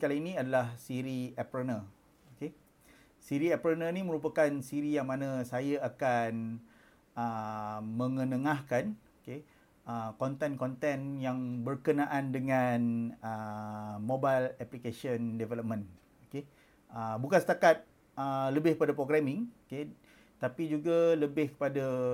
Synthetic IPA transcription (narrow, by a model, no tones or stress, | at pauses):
kalainĩadalahsiɾiɛpɾənə | oke | siɾiɛpɾənənimə̃ɾupakansiɾijaŋmãnə̃sajaakan | əmə̃ŋə̃nəŋahkanoke | əkɔnt̪ɛnkɔnt̪ɛnjaŋbərkənãʔandəŋanəmobalɛplikesiəndɛvɛləp̚mə̃n | oke | əbukansə̥t̪akat̪̚ | ələbɪhkəpadapɾoɡɾɛmɪ̃ŋoke | t̪apid͡ʒuɡaləbɪhkə̥pada